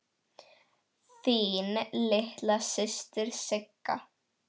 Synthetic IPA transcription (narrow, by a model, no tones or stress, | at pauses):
θiːnlɪht̪lasɪst̪ɪɾ̥sɪkːa̰